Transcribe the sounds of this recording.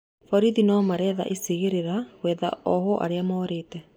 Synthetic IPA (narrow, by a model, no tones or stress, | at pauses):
fɔɾiðinamaɾɛða̰ʔeseɣeɾeɾaɣwɛða̰ɔhɔʔa̰ɾeamɔːɾeːtɛ